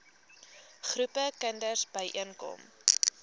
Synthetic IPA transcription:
χrupəkəndərsbəjʔiənkɔ̰m

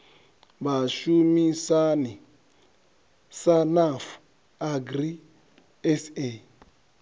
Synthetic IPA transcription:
baʃumĩsani | sanaf | aɡɾi | ɛse

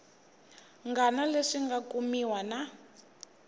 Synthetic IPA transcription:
ŋɡanaleʂiŋɡakumiwana

